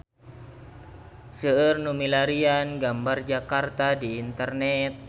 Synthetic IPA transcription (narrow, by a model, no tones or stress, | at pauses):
səːrnumilaɾianɡambard͡ʒakart̪adiːnt̪ərnɛt̪̚